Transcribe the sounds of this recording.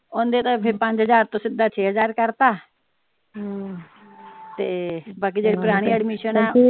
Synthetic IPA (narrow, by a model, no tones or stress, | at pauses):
õːnd̪eːt̪ãpʰɪɾpə̃ɲd͡ʒɦəzaːɾt̪õːsɪd̪aːt͡ʃʰeːɦəzaːɾkəɾt̪aː | t̪eːbaːk̬iːd͡ʒeːɽepʊɾaːɽ̃iɛɖmiːʃənɛː